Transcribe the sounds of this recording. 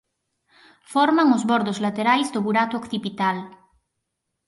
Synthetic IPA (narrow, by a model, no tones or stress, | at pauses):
foɾmaŋozβoɾðozlat̪eɾajzd̪oβuɾat̪ookθipit̪al